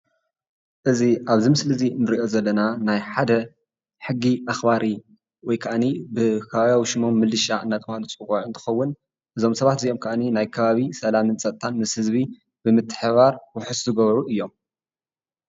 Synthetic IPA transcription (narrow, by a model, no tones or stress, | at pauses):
ʔɨziʔaβzimɨslɨzinɨɾiʔo̞zɐlːɐnanajħad̪ɐ | ħɨɡːiʔaxbaɾi | wɔjkʰaʔanibɨkʰɐβaβjawiʃɨmo̞mːɨlɨʃaɨnːat̪ʼɨmahlut͡sʼɨkʼaʕɨnt̪ʰɨ̥xɐwːʊn | ʔɨzo̞msɐβat̪ziʔo̞mkʰɐʔaninajkʰɐβaβisɐlamɨnt͡sʼɐt̪ʼt̪ʰanmɨshɨzβi | b̥ɨmɨt̪ʰːɨ̥ħβaɾwʊħɨszɨɡɐβɾuʔɨjːo̞m